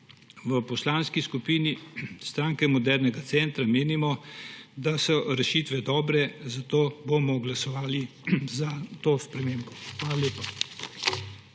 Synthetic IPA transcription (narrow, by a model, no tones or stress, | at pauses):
ʋəpɔslaːnskiskupiːnist̪ɾaːŋkɛmɔd̪ɛɾnɛɡat̪sɛnt̪ɾameːnimɔd̪asɔɾɛʃiːt̪ʋɛd̪ɔːbɾɛzat̪oːbomɔɡlasɔʋaːli | zat̪oːspɾɛmeːmbɔxʋaːlalʲeːpa